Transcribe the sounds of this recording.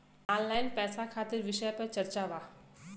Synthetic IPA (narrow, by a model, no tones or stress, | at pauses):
ɔːnlaːɪnpɛːsakʰaːt̪ɪɾʋɪʃəjpɐɾt͡ʃɐɾt͡ʃaʋaː